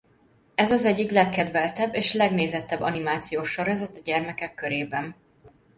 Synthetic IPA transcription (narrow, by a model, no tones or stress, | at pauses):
ɛzɒzɛɟːiklɛkːɛd̪vɛlt̪ɛbːeːʃlɛɡneːzɛt̪ːɛbːɒ̰nimaːt̪sijoːʃɒɾɛzɛt̪ɒɟɛrmɛkɛkːøɾeːbɛn